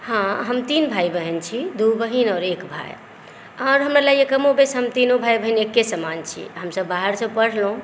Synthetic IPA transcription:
hãɦəmt̪inbʱajbəɦint͡ʃʰid̪ubəɦinɔːɾekbʱa̰j | aʊɾɦəmɾalaekəmobesɦəmt̪inobʱajbəɦinekːesəmant͡ʃʰḭɦəmsəbːaɦəɾsə̃bpəɽ̤lũ

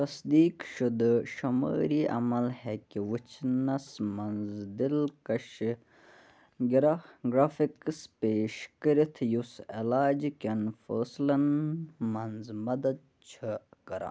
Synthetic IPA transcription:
t̪ɐsd̪iːkʃud̪əʃɐmə̰ːɾiʔɐ̰mɐlhekiwɨt͡ʃʰnɐsmɐnzd̪ilkɐʃ | ɡiɾaɡɾaːfikspeːʃkəɾit̪ʰjuselaːd͡ʒkenfəːslɐnmɐnzmɐd̪ɐd̪̚ | t͡ʃʰəkɐɾa̰

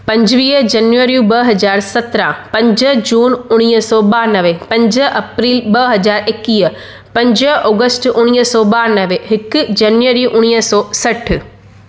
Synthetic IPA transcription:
pɐ̃ɲd͡ʑʋiːd͡ʑɐnʋəɾijũbɐɦɐzaːɾsɐt̪ɾãpɐ̃ɲd͡ʑəɦd͡ʑuːnʊɽ̃iːɦəsɔːɓaːnɐʋepɐ̃ɲd͡ʑəɦɐpɾiːlbɐɦɐzaːɾɪkiːə | pɐ̃ɲd͡ʑəɦɔːɡəsʈʊɽ̃iːɦsɔːɓaːɾnɐʋeɦɪkʊd͡ʑɐnʋəɾiuʔʊɽ̃iːɦəsɔːsɐʈ̆ʰ

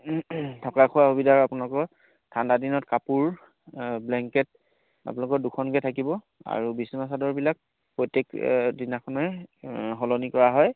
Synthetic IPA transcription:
tʰɔkakʰuwaxubidʱaɹapunalɔkɔɹ | tʰandadinɔtkapuɹ | blɛŋkɛt̚ | a̰pʊnalɔkɔɹdukʰɔnkɛtʰakibɔ | a̰ɹubismas̬adɔɹbilak̚ | pɹɔjtekdinakʰɔnɛ | ɦɔlɔnikɔɹaɦɔj

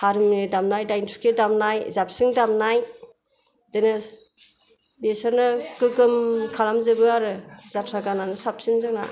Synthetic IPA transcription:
haɾɯmɯdamnajdajntʰukʰedamnajzap̚sɯŋdamnaj | dɯnɯ | besaɾnɯkɯkɯmkʰalamzɯɡɯaɾɯzatʰɾakananɯsap̚siŋzɯŋna̰

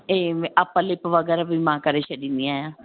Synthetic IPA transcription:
eːaːpãlɪpʋəɡɛːɾaːbiːmãːkəɾeːʃəɖiːnijãːjãː

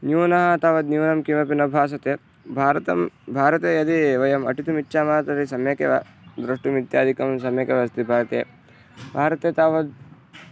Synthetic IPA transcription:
njuːnɐɦɐt̪aːʋɐd̪njuːnɐmkimɐpinɐbʱaːs̬ɐt̪eː | bʱaːɾɐt̪ɐmbʱaːɾɐt̪eːjɐd̪iʋɐjɐmɐ̰ʈit̪imitːʃaːmaːt̪ɐɾisɐmjɐkḛʋɐ̰ | d̪ɾɐʂʈumid̪jaːd̪ʱikɐmsɐmjɐkeʋɐst̪ibʱaːɾɐt̪ḛː | bʱaːɾɐt̪eːt̪aːʋɐd̪̚

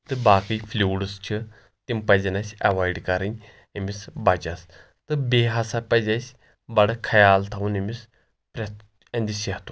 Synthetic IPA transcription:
t̪ɨbaːkɨjfʰlʲuːɽɨst͡ʃʰi | t̪impɐzʲɐnɐsʲɐ̰ʋaːiɖkɐɾɨnʲ | imisbɐd͡ʒɐs | t̪ɨbeːɦɐsapɐzʲɐsʲ | bɐɽkʰɐjaːlt̪ʰɐunimis | pɾʲɐt̪ | ɐnd̪iseɦt̪u

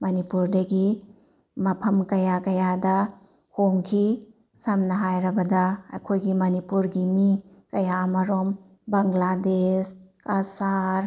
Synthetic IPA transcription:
mɐnipuɾdɐɡi | mɐpʰɐmkɐjakɐjadɐ | hoŋkʰi | samnɐɦajɾɐbɐdɐɐ̰kʰojɡimɐnipuɾɡimi | kɐjamɐɾom | bɐŋɡladeskasaɾ

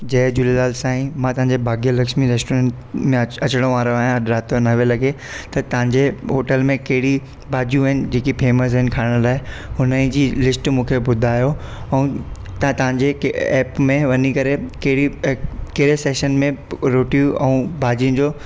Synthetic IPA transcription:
d͡ʑɐːd͡ʑʊlelaːlsaːĩmãt̪ɐ̃ɦãɲ̆d͡ʑebʱaːɡijəlɐkʃmiɾeːsʈoɾẽːʈ | mẽɐt͡ɕɪɽ̃oʋaːɾoaːɦjãɾaːt̪ʰonɐʋelɐɡe | t̪ɐt̪ɐʋ̤ãɲd͡ʑeɦoːʈəlmẽkɐɦɪɽi | bʱaːd͡ʑijũɦɪnɪ̆d͡ʑeːkipeːməs̬ɦɪnɪ̆kʰaːɪɽ̃ʊlaːɪ | ɦʊnə̃d͡ʑiːlɪsʈmũːkʰebʊd̪ʱaːjo | ɛ̃ũː | t̪t̪ɐʋãɲd͡ʑeɛːpmẽʋɐnikɐɾekɐɦɽikɐɦɪɾeseːʃənmẽɾoːʈijũɛ̃ũbʱaːd͡ʑijʊ̃nd͡ʑoː

